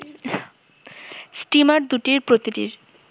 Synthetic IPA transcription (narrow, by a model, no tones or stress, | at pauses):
sʈimaɾd̪uʈiɾpɾot̪iʈḭɾ